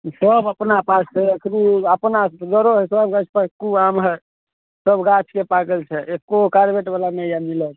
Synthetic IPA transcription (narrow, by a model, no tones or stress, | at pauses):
səbəpnapasːeəkʰɾiəpnaɡəɾoɦɛsəbɡat͡ʃʰpəkuamɦə | səbʱɡat͡ʃʰkepakəlt͡ʃʰɛekːokaɾbeʈbalanɛjamilət̪